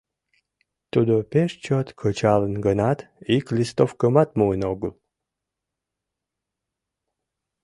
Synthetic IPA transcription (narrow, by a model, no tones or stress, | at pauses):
t̪ud̪opeʃt͡ɕɔt̪kʰət͡ʃalənɡənat̪iklʲist̪ofkəmat̪muənoɡəlˠ